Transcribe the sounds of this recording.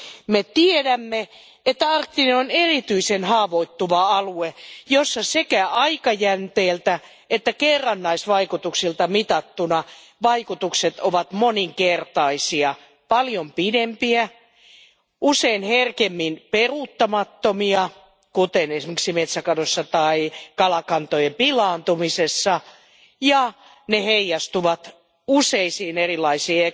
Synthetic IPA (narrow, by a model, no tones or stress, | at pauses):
met̪iedæmːe | et̪ːæɑrt̪ːineonerit̪yisenhɑːʋoit̪ːuʋɑɑluejosːɑsekæɑikɑjænt̪eːlt̪æ | et̪ːækerːɑnːɑisʋɑikut̪uksilt̪ɑmit̪ɑt̪ːunɑ | ʋɑikut̪ukset̪oʋɑt̪moniŋkert̪ɑisiɑ | pɑljompidempiæ | useinherkemːinperuːˑt̪ːɑmɑt̪ːomiɑ | kut̪enesimeksimet̪sækɑnosːɑt̪ɑikɑlɑkɑnt̪ojempilɑːnt̪umisesːɑ | jɑ | neheijːɑst̪uʋɑt̪ | useisiːnerilɑisiːe